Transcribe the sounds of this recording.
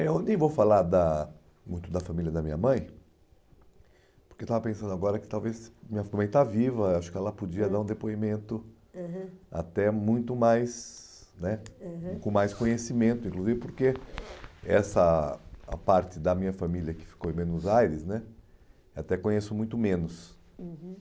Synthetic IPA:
õd̪ẽj̃vowfalaɾd̪ɐ | mũj̃t̪ʊd̪ɐfamiliɐd̪ɐmĩɲɐmɐ̃j̃ | poɾkewt̪avɐpẽsɐ̃nd̪ʊaɡɔɾɐkɪ̥t̪awvesmĩɲɐfamɐ̃j̃t̪avivɐeaʃʊ̥kɪɛlɐpod͡ʒiɐd̪aɾũd̪epoimẽnt̪ʊ | a̰t̪ɛmũj̃t̪ʊmajsnɛkõmajskõɲesimẽnt̪ʊĩŋkluzivɪpoɾke | ɛ̰sɐɐ̰paɾt͡ʃɪd̪ɐmĩɲɐfamiljɐkɪ̥fi̥kowẽmẽnʊzajɾɪsnɛ | at̪ɛkõɲesʊmũj̃t̪ʊmẽnʊs

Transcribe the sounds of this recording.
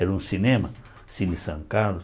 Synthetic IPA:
eɾũsinẽmɐ | sinisɐ̃ŋkalʊ

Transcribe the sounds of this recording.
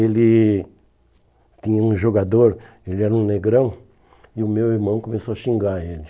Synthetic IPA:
elɪ | t̪ĩɲɐũʒoɡad̪oɾ | elɪɛɾɐũneɡɾɐ̃w̃ | ɪʊmewiɾmɐ̃w̃komesoɐʃĩŋɡaelɪ

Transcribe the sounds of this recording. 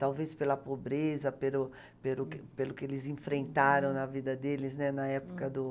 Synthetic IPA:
t̪awvespelɐpobɾezɐpelʊ | pelʊkɪpelʊkɪelɪzẽfɾẽnt̪aɾɐ̃w̃nɐvid̪ɐd̪elɪznɛnɐɛpʊ̥kɐd̪ʊ

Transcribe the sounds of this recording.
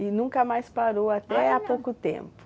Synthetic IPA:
ɪnũŋkɐmajspaɾowat̪ɛapowkʊt̪ḛ̃mpʊ̥

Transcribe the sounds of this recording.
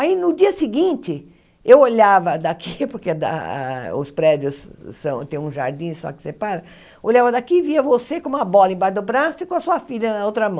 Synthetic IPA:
ainʊd͡ʒiɐsɪɡĩnt͡ʃɪ | ewoʎavɐd̪akʰipoɾked̪a̰a̰ʊ̰spɾɛd͡ʒjʊsːɐ̃w̃t̪ẽj̃ũʒaɾd͡ʒĩsɔ̰kɪ̥sepaɾɐ | oʎavɐd̪akiviɐvosekõũmɐbɔlɐẽbaɾd̪ʊbɾasʊikõɐsuɐfiʎɐnɐowt̪ɾɐmɐ̃

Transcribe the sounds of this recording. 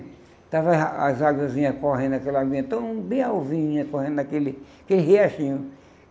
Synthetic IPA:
t̪avaazaɡwɐzĩɲɐkɔɦẽd̪akɛlaɡwĩẽt̪ɐ̃w̃bẽj̃awvĩɲĩɲɐkohẽnd̪ʊd̪akelɪakelɪheaʃĩɲʊ

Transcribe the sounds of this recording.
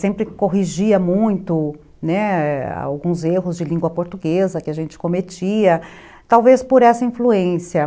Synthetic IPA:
sẽmpɾɪkoɦiʒiɐmũj̃t̪ʊ | nɛa̰wɡũzeɦʊzd͡ʒɪlĩɡwɐpoɾt̪uɡezɐkɪaʒẽnt͡ʃɪ̥kõmet͡ʃiɐ | t̪awvespoɾɛsɐĩfluẽsiɐ

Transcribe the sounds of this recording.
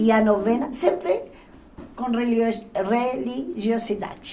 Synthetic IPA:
ianovenasẽmpɾe | kõnrereliʒjosid̪a̰d

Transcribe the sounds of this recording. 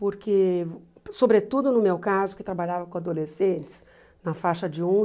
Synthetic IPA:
poɾke | sobɾet̪ud̪ʊnʊmewkazʊkɪt̪ɾabaʎavɐkõad̪olesẽt͡ʃ̪ɪ̥s | nɐfaʃɐd͡ʒɪõ

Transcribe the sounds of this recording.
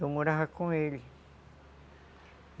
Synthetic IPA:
umũɾaɦakũeli

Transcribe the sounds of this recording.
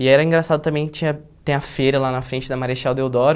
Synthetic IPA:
ɪɛɾɐĩɡɾasad̪ʊt̪ɐ̃mbẽj̃kɪ̥t͡ʃĩɲɐt̪ẽj̃ɐfeɾɐlanɐfɾẽnt͡ʃɪd̪ɐmaɾiʃawd̪ewd̪ɔɾ

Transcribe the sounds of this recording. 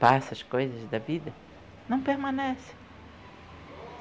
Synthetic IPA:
pasɐʃkojzɐzd̪ɐvid̪ɐ | nɐ̃w̃peɾmɐ̃nɛsɪ̥

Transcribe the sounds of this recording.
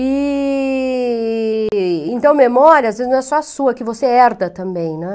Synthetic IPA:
ɪ | ẽnt̪ɐ̃w̃memɔɾjɐazvezɪznɐ̃w̃ɛsɔɐsuɐkɪvoseɛɾd̪ɐt̪ɐ̃mbẽj̃nɛ

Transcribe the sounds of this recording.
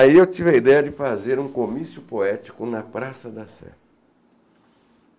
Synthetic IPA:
aiewt͡ʃivɪɐid̪ɛjɐd͡ʒɪfazeɾũkomisjʊpoɛt͡ʃi̥kʊnɐpɾasɐd̪ɐsɛ̰

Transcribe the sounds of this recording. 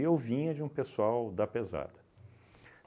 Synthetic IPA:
ewvĩɲɐd͡ʒɪũpesuawd̪ɐpeza̰d̪ɐ

